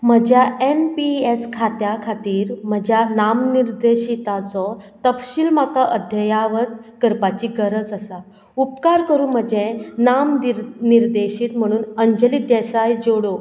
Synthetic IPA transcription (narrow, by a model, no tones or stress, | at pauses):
m̤əd͡ʑʱjaʔempieskʰat̪jakʰat̪iːɾm̤əd͡ʑʱjanamniɾd̪eɕit̪at͡sɔt̪əpɕiːlmakaʔəd̪ʱjəjaʋət̪̚kəɾpat͡ɕiːɡəɾət͡səsa | upkaɾkəɾũːm̤əd͡ʑenaminiɾd̪eɕiːt̪m̤əɽ̃uːnəɲd͡ʑəlid̪ɛsajd͡ʑoɽo